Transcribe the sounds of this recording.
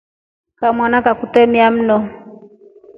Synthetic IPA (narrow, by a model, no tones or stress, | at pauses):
kamwanakakutɛmiam̩nɔ